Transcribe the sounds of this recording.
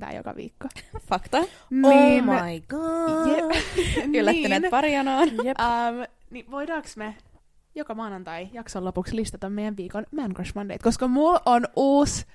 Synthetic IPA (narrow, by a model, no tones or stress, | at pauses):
t̪æ̰ːjo̰kɑ̰ʋḭːkːofɑkt̪ɑ | ninɑjɡ̥ɑje | ylːæt̪ːæneːtpɑɾjonɑːnjəmniʋoidɑːksme | jokɑmɑːnɑnt̪ɑijɑksolːopukslist̪ɑt̪ɑmmejæʋʋiːkonmænkoʃmɑndḛt̪koskɑmulʔonʔuːs